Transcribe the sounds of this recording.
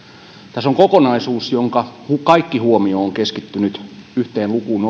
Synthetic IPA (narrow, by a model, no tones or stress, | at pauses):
t̪æsoŋkokonɑisuːsjoŋkɑhukɑikːihuomioːŋkeskit̪ːynyt̪yht̪eːlukuːn